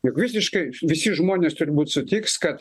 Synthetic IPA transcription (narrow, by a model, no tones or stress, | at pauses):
jʊkʋʲɪsʲɪʃkɐɪʋʲɪsʲɪʒmoːnʲeːst̪ʊɾʲɪbuːt̪ʲsʊt̪ʲiːkskɐt̪